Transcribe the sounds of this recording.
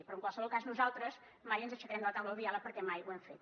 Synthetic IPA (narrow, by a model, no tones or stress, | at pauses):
pɾɔəŋkwalˠsəβɔlˠkaznuzalˠt̪ɾəz | majənzəʃəkɾɛmd̪ələt̪awləlˠðialˠəpəɾkɛmajṵwɛmfet̪